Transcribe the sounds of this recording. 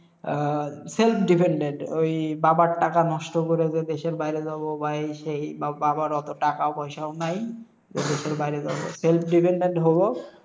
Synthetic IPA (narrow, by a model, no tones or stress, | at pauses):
selpʰɖipʰeɳɖeɳʈojbabaɾʈːakanɔʃʈokoɾed͡ʑed̪eʃeɾbajɾedabobajʃejbababaɾɔt̪oʈakaobɔjʃaonaj | d͡ʑed̪eʃeɾbajɾezaboselp̚ʰɖipʰeɳɖeɳʈɦobo